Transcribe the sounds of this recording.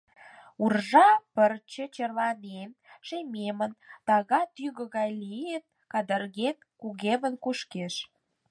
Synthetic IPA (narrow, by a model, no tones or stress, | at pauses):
urʒɑpərt͡ɕə̆t͡ɕərlɑnenʃememənt̪ɑɣɑt̪yɣə̆ɣɑjliet̪̚ | kɑd̪ərɣet̪̚kuɣeβənkuʃkeʃ